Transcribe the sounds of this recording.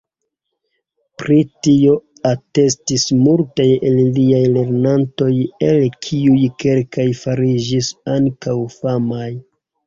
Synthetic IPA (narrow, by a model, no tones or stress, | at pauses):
pɾitio̞ | ate̞stismultajelliajle̞ɾnanto̞jelkʰiujke̞lkajfaɾid͡ʒisaŋkawfamaj